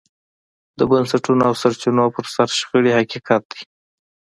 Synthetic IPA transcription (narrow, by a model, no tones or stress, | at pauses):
d̪əbənsaʈunoawsaɾt͡ʃinopəɾsaɾʃɣəɽihakikɑt̪̚d̪i